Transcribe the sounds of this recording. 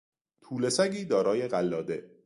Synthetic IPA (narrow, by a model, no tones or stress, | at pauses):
t̪ʰuːle̞sæɡʲiːd̪ɒːɾɒːje̞ɢælːɒːd̪e̞